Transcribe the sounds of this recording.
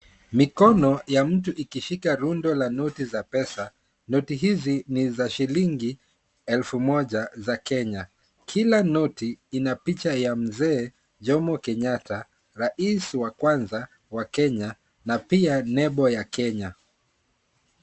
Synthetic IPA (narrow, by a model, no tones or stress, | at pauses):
mikɔnɔjam̩tuʔikiʃikaɾundɔlanɔtizapɛsa | nɔtiɦizinizaʃiliŋɡi | ɛlfumɔʄazakɛɲa | kʰilanɔtiinapit͡ʃajam̩zɛː | ʄɔmɔkɛɲata | ɾaʔisiwakwanza | wakɛɲa | napianɛɓɔjakɛɲa